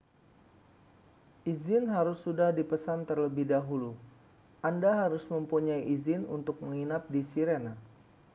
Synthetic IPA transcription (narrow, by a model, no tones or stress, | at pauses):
ʔizɪnɦaɾʊsːudahdipəsant̪ərləbɪhdaɦulu | ʔandaɦaɾʊsməmpuɲaiʔizɪnṵnt̪ʊk̚məŋinap̚disiɾena